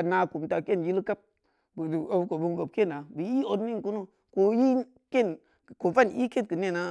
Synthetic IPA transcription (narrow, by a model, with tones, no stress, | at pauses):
a˨na˨ku˨mta˨ke˦nji˦lka˦p̚ | bu˨da˨bu˦ko˨bu˦ŋbo˨p̚ke˦˨na˨bi˨ji˦o˨dni˦ŋ˨ku˦nu˦ | ko˦ji˦ | ke˦˨n˨ | ko˨fa˦n˨i˦ke˦t̚kə˨ne˦˨na˦